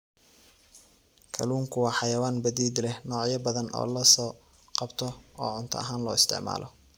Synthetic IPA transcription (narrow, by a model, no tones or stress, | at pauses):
kʰɐ̰luːŋkʰʊwɑːħɑjɐwaːnbɐðiːd̪lɛhnɔːʕjɐbɐðɐnʔɔ̰ːlɐsɔː | qɑbt̪ʰɔɔːʕʊnt̪ʰɐ̰ɐɦaːnlɔ̰ːɪst̪ʰɪ̰ʕma̰ːlʔɔ